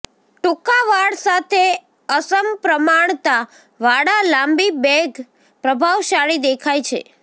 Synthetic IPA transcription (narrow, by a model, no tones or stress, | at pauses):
ʈũkaʋaɽsat̪ʰe | əsəmpɾəmaɳt̪a | ʋaɽalambibɛɡ | pɾəbʱaʋʃaɭid̪ekʰajt͡ʃʰḛ